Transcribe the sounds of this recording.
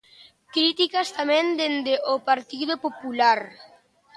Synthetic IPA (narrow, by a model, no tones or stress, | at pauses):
kɾit̪ikast̪amɛ̃nd̪end̪eʔopaɾt̪iðopopulaɾ